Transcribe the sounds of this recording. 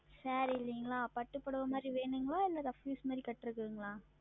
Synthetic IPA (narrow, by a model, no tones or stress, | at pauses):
sɐɾiɪlːɪŋɡɐɭaːpɐʈːɯpːɐɽɯʋɐmaːd̪ɾiʋeːɳɖɯŋɡɐɭaːɛlːaːd̪ãːfjuːsmaːd̪ɾikɐʈːɯɾɯkːɯʋɯŋɡɐɭãː